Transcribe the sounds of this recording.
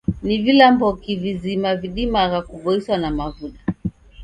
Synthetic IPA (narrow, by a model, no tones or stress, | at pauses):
nivilambɔkivizimaviɗimaɣakuvɔiswanamavuɗa